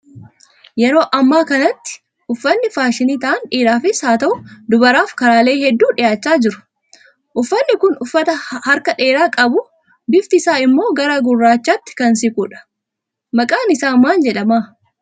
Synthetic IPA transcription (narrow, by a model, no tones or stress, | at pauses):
jɛɾo̞ːʔɐmːaːkɐnɐt̪ːɪ̥ | ʔʊfːɐnːɪfaːʃɪniːt̪ɐʔɐnᶑeːɾaːfɪsaːt̪ɐʔʊd̪ʊbɐɾaːfkɐɾaːle̞ːhɛd̪ːuːᶑɪjaːt͡ʃːaːd͡ʒɪɾʊ̥ | ʔʊfːɐnːɪkʊnʊfːɐt̪ɐhɐɾkɐᶑe̞ːɾaːkʼɐbʊ | bɪft̪ɪsaːɪmːo̞ːɡɐɾaɡʊrːaːt͡ʃːaːt̪ːɪ̥kɐnsɪkʼuːᶑɐ̥ | mɐkʼaːnɪsaːmaːnd͡ʒɛᶑɐmaː